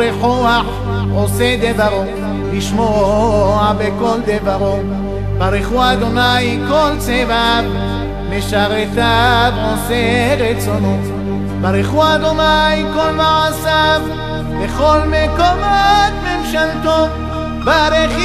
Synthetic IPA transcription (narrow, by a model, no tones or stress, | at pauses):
eħoaħ | osed̪evaʁo | liʃmoabekold̪evaʁo | baɾeχuad̪onajkolt͡sevav | meʃaʁet̪avoseʁet͡sono | baɾeχuad̪onajkolmasav | beχolmekomot̪memʃalt̪o | baɾeχ